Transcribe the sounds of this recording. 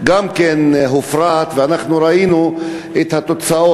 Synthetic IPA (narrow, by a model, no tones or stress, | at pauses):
ɡamkenɦufɾat̪veanaχnuɾainu | et̪hat̪o̞t͡sao